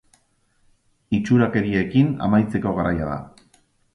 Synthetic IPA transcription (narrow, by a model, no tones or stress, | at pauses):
it͡ʃuɾake̞ɾie̞kina̰majt͡se̞ko̞ɣaɾʔajað̞a̰